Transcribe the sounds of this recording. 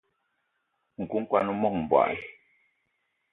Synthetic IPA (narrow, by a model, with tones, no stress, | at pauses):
ŋ̩˨ku˦ŋ̩˦kwa˦nu˦mɔ˦ŋ˨bwa̰˨l